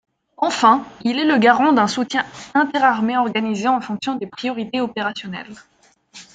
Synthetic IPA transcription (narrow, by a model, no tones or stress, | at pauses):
ɑ̃fɛ̃ilɛləɡaʁɑ̃d̪ɛ̃sut̪jɛ̃ɛ̃t̪ɛʁaʁmeɔʁɡanizeɑ̃fɔ̃ksjɔ̃d̪epχijɔʁit̪eɔpeʁasjɔnɛ̰l